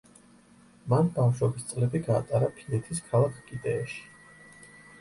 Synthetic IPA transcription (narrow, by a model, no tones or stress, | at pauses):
manbafʃwɛbist̪sʼlɛbiɡa̰ːt̪ʼaɾapʰinɛt̪ʰiskʰalˠakʰkʼid̪ɛːʃi̥